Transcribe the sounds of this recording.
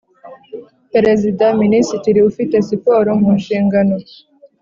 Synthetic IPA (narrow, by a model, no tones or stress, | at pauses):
peɾezidaminisitiɾiufite̞sipoːɾoŋuːnʃiːŋɡano